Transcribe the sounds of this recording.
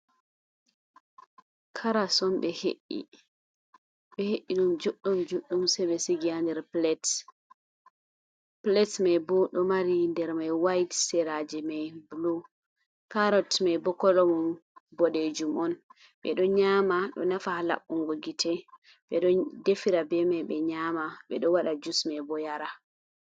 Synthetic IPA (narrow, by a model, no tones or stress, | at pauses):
kʰaɾasɔnɓɛheʔːḭ | ɓɛheʔːiɗumd͡ʒuɗːumd͡ʒuɗːumsɛbɛsiɡiandɛɾplɛt | plɛtmabɔɗɔmaɾindɛɾmajwajtsɛɾad͡ʒɛmajblu | kaɾɔtmajbɔkːɔlɔmɔnbɔɗed͡ʒumɔn | ɓɛ̰ɗɔɲamaɗɔ̰nafahala̰ɓːuŋɡoɡitʰɛ | ɓɛɗɔdefiɾabɛmajɓɛɲaːmaɓɛɗɔwaɗad͡ʒusmajbɔjaɾa